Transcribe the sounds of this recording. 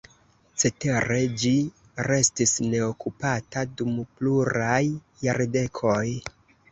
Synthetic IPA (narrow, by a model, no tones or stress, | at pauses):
t͡se̞te̞ɾe̞d͡ʒi | ɾe̞stisne̞okupatadumpluɾajː | aɾde̞kʰo̞j